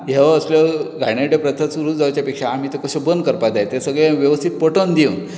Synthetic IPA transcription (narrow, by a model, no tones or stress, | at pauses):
ɦeəsljəɡajɽaʈepɾət̪ʰasuɾuːd͡zawt͡ɕjapekʂaːm̤iːt̪ekəɕobənd̪̚kəɾpad͡zajt̪esəɡɭeʋjəʋəst̪ʰit̪̚pəʈond̪iũn